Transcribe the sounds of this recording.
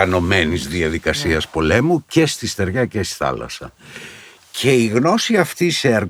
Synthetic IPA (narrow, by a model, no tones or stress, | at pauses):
ɐno̞me̞nizðiɐðikɐsiɐspo̞le̞muce̞st̪ist̪e̞ɾʝɐcesi̥θɐ̰lɐ̰sɐ̰ | cʰe̞iɣno̞siɐft̪iseɐɾ